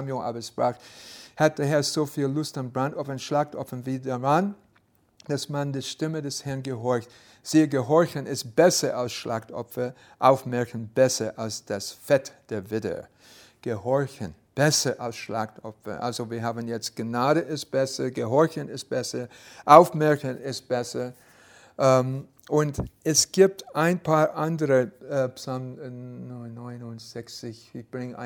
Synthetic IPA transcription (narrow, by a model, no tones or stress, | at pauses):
mjõʔa̰bəspʁaːxhat̚d̥eːɐɦɛɐzoːfiːllʊstanbʁantʔɔfanʃlaxtʔɔfənviːdaʁan | d̥asmandiʃtɪmədɛshɛɐnɡəɦɔɹçt | z̥iːəɡəɦɔɹçənɪst̚b̥ɛsɐʔalsʃlʔa̰xtɔ̰pfə | ʔa̰ʊfmɛɐçən̩b̥ɛsɐʔalsd̥asfɛtd̥eːɐvɪtə̰ | ɡ̥əhɔɐçən | b̥ɛsəʔalsʃlaxtɔfɐ̰ʔa̰lzoviːɐɦaːbn̩jɛt͡st̚ɡ̥naːɾəʔɪst̚b̥ɛsəɡəɦɔɹçənɪst̚b̥ɛsəʔaʊfmɛɹçənɪst̚b̥ɛsə | ʔm | ʔʊntɛsɡ̥iːp̚taɪnpʰaːɐʔandəʁəpsalm | nːɔɪnʊntz̥ɛçt͡sɪçɪçb̥ʁɪŋəa